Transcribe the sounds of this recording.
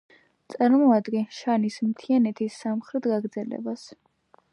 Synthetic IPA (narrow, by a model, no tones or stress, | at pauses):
t̪sʼaɾmɔad̪ɡɛnʃanismt̪ʰianɛt̪ʰisːamχɾɛt̪ɡaɡɾd̪zɛlɛ̰bas